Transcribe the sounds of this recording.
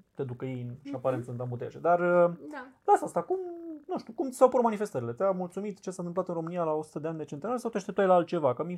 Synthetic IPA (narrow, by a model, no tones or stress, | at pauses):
t̪e̞d̪ukəjenʃiapaɾent̪sɨnt̪ambut̪ḛʃḛd̪arəlasast̪akumnuʃt̪ukumisawpuɾmanife̞st̪əɾile̞t̪eamult̪sumit̪t͡ʃe̞sanɨmplat̪ɨnɾo̞mɨnialao̞su̥t̪əd̪eanʲd̪e̞t͡ʃe̞nt̪enaɾesawt̪eaʃt̪ep̚t̪ajlaalt̪̚t͡ʃe̞vakəmi